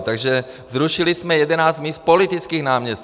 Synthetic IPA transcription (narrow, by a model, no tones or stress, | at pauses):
t̪aɡʒɛ | zɾuʃɪlɪsmɛjɛdɛnaːst̪miːst̪̚polɪt̪ɪt͡skiːɣnaːmɲɛs